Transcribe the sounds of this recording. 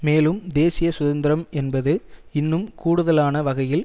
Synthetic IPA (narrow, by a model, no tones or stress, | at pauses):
meːlɯmd̪eːsɪjɐsʊðɐnd̪ɪɾɐmɛnbɐðɯɪnːɯmkuːɽɯðɐlaːnɐʋɐɣɐjɪl